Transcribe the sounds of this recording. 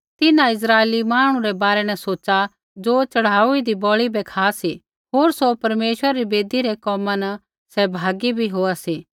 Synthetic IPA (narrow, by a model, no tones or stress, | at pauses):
t̪ɪnãɪs̬ɾaːeːlimaːɽ̃ũɾɛbaːɾɛnɛsoːt͡ʃa | d͡ʒoːt͡ʃɐɽ̤aːuid̪ibɔːɭibɛkʰaːsi | ɦoːɾsopɐɾmeːʃwəɾaɾibeːd̪iɾɛkɔːmanɐ | sɛbʱaːɡibʱiɦoːasiː